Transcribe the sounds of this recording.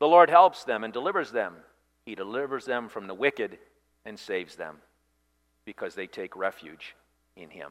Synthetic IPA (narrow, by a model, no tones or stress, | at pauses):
ðəlɔɹd̚ɦɛlˠpsðɨ̃mɨ̃ndəlɪvə˞zðɨ̃m | idɨlɪvə˞zðɨ̃ɱfɹʌ̃mðəwɪkɨɾ | ɨ̃nseɪvzðɨ̰̃m | b̥ɨkʰʌzðeɪtʰeɪkɹɛfjʉ̰d͡ʒ | ɪ̃nɪ̰̃m